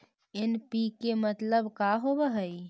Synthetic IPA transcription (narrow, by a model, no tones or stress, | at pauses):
ɪnpikemət̪ləbkaɦobəɦəi